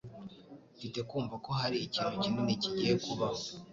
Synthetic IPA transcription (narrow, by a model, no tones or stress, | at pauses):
fite̞kuːɱvako̞ɦaɾiːciːnhucinoniciɟijekuβaho